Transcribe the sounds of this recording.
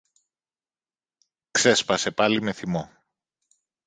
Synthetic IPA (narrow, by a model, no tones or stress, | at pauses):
kse̞spɐse̞pɐlime̞θimo